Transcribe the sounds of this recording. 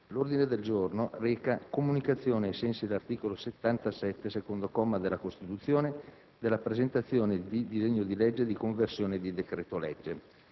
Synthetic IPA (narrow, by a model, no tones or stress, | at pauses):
lord̪ined̪eld͡ʒornorɛːkakomunikat̪sːjoːneːsɛnsid̪elart̪iːkoloset̪ːant̪asɛt̪ːesekond̪okɔmːad̪elːakost̪it̪ut̪sːjoːne | d̪elːapɾezent̪at̪sːjoːned̪id̪izeɲːod̪ilɛd͡ʒːed̪ikoɱversjoːned̪id̪ekɾɛːt̪olɛd͡ʒːe